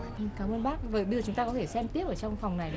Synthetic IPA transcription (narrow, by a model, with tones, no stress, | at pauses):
ʔkaː˨˦mʔəː˧nɓaː˦˥k̚vəː˨˩ɓzt͡ɕʊ˨˦ŋ͡mt̪aː˧kɔ˨˦t̪ʰe˧˩sɛ˧mt̪i˦˥əp̚ʔəː˧˩t͡ɕɔ˧wŋ͡mfwŋ͡mna˨˩j